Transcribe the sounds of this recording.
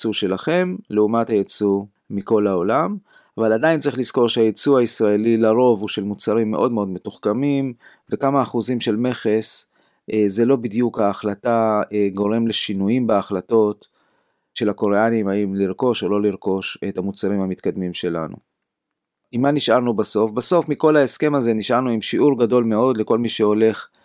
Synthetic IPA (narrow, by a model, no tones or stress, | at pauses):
t͡suʃe̞laχe̞mleumathajet͡su | miko̞laolam | avalad̪ajint͡sʁiχliz̥ko̞ʁʃehajet͡suhaisʁae̞lilaʁo̞vuʃe̞lmut͡saʁimːe̞ʔo̞d̪meo̞d̪me̞tuχkamim | vekamaːχuzimʃe̞lme̞χe̞s | ʔeze̞lo̞bid̪jukhaːχlataeɡo̞ʁe̞mle̞ʃinujimbeaχlato̞t | ʃe̞lako̞ʁeanimhaimliʁko̞ʃolo̞liʁko̞ʃe̞thamut͡saʁimhamit̪kad̪mimʃe̞la̰nṵ | imaniʃʔaʁnubaso̞fbaso̞fmiko̞lae̞ske̞maze̞niʃʔaʁnuimʃiʔuʁɡado̞lme̞o̞d̪le̞ko̞lmiʃeo̞le̞χ